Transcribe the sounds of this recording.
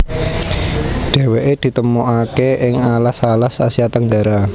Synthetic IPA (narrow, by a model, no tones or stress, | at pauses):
ɖ̥ɛ̤weʔed̪̥i̤t̪əmoʔakeʔɪŋalasalasasiat̪əŋɡaɾa